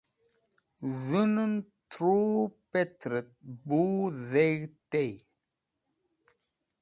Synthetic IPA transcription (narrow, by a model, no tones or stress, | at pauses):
zənən | tɾupɛtɾət̚buðɛɣtɛj